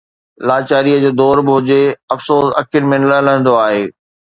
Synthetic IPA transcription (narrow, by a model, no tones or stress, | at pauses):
laːt͡ɕaːɾiəd͡ʑoːd̪ɔːɾbɪɦʊd͡ʑeɐfsoːsɐ̰kʰɪɾmẽnɐlɐlə̃ə̃nd̪oaːɦeː